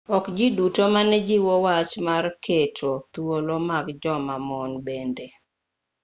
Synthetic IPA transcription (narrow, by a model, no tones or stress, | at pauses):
ɔkd͡ʒidutomanɛd͡ʒiwɔwat͡ʃmarkʰetʰot̪wolomaɡd͡ʒɔmamɔnbende